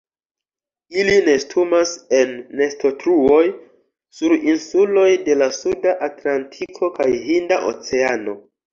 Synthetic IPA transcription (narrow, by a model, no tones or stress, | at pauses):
iline̞stʰumase̞nːe̞sto̞tɾuo̞j | suɾinsulo̞jde̞lasudaʔatlantʰikʰo̞kajhindaʔo̰t͡se̞ano̞